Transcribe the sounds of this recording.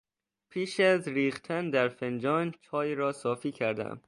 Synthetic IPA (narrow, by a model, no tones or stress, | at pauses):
pʰiːʃæzɾiːχt̪ʰænd̪æɾfend͡ʒɒːnt͡ʃʰɒːjɾɒːsɒːfiːcʰæɾd̪æ̰m